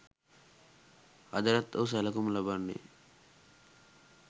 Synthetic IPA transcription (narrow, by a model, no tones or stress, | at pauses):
ɐd̪ɐɾɐt̪ːos̬ɐlɐkumlɐbɐɳːḭ